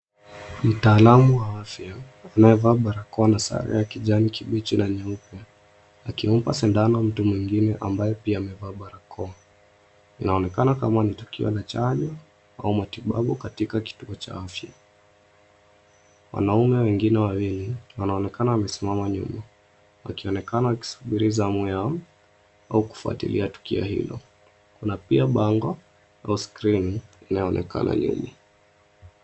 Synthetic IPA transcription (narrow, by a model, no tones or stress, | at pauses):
m̩taːlamuwaafjaː | najɛvaːɓaɾakɔanasa̰ɾɛ̰akiʄanikiɓit͡ʃinaɲaupja | akim̩pasɛndanɔm̩tumwiŋɡinɛʔambajɛpiaːmɛvaːɓaɾakʰɔa | ḭnaɔnɛkanakamanitu̥kḭɔ̰lat͡ʃaɲɔ | a̰umatiɓa̰ɓukatikaki̥tuɔt͡ʃa̰afja̰ | wa̰naumɛwɛŋɡinɛwawiliwanaɔnɛkanawamɛsimamaɲṵma | wa̰kiɔnɛkanawaki̥su̥ɓiɾizamwɛam̩ | auku̥fua̰tḭliatu̥kḭɔ̰hḭlɔ̰ | kunapiaɓaŋɡɔ | a̰uskɾininajɔɔnɛ̰ka̰nʔa̰nḭɲi